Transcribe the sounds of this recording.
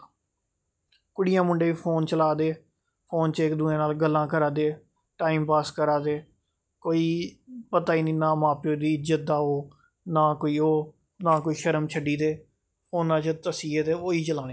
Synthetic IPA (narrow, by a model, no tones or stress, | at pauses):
kʊɽɪjãːmʊɳɖeːʋiːpʰoːnt͡ʃəlaːd̪eː | pʰoːnt͡ʃɪkd̪ʊːẽːnaːlɡəlːãːkəɾaːd̪eː | ʈaːiːmpaːskəɾaːd̪eː | koːiːpət̪aːiːnĩːnaːmaːpoːd̪iːɪd͡ʒət̪̚d̪aːɦoː | naːkoːiːoː | nãːk̬oːiːʃəɾəmt͡ʃʰəɖiːd̪eː | pʰoːnːaːt͡ʃət̪əsiːeːt̪eːoːiːt͡ʃəlãːnẽ